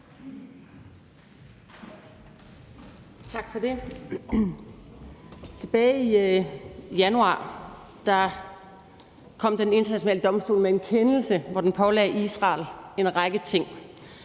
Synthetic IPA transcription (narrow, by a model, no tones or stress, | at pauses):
t͡sʰɑ̈ɡ̥fɒde̝ | t͡sʰe̝b̥ɛːɪi | jænuɑ̰̈ː | d̥ɑ̈ | kʰɒ̽m̰d̥ene̝nd̥ɐnæɕo̝nɛ̰ːləd̥ɒ̽msd̥o̰ːlmee̝nkʰenl̩səʋɒd̥enpʰɒ̽lɛ̰ːisʁɑ̰̈ːle̝nʁɑɡ̥ət͡sʰe̝ŋ̰